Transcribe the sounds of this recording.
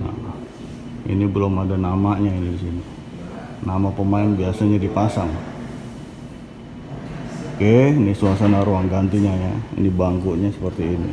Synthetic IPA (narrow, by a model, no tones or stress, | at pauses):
na̰ | ḭnibəlomadanamaɲainidisini | namapəmaɪnbiasaɲadipasaŋ | kenisuasanaɾuaŋɡant̪iɲajaḭnibaŋkuʔɲasəpərt̪iːnḭ